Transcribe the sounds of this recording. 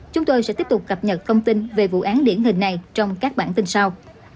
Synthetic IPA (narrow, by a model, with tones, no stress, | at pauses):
t͡ɕʊ˨˦ŋ͡mt̪o˧jsɛ̰˧˥t̪i˦˥əp̚t̪k͡p̚kə˨˩p̚ɲə˨˩t̚t̪ʰə˧wŋ͡mt̪ï˧nve˨˩vṵ˧˨ʔaː˨˦nɗi˧˩ənɦï˨˩ŋ̟na˨˩jt͡ɕɔ˧wŋ͡mkaː˦˥k̚ɓa̰ː˧˩nt̪i˧nsa˧w